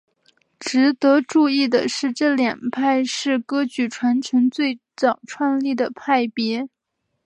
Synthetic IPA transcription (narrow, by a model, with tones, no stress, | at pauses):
ʈ͡ʂɻ̩˧˥t̪ɤ˧˥ʈ͡ʂu˥˧i˥˩d̪ə̰˩ʂɻ̩˥˧ʈ͡ʂɤ˥˩ljɛ˨˩ŋpʰa˥˧ɪʂɻ̩˥˩kɤ˥t͡ɕy˧˥ʈ͡ʂʰwa˧˥nt͡ɕʰə˧˥nt͡swe˥˩ɪt͡sɑ˨˩ʊʈ͡ʂʰwa˥˧nli˥˩d̪ə˩pʰa˥˩ɪpjɛ˧˥